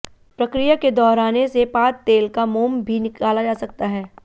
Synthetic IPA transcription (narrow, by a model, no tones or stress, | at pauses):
pɾɐkɾijaked̪ɔːɾaːnesepaːt̪̚t̪ːeːlkamuːmbʱinɪkaːlad͡ʒaːsɐk̚t̪aɦɛː